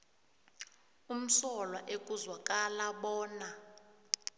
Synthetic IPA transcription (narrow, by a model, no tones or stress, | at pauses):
um̩sɔlwaʔek̬ʼuzwakʼalaɓɔːna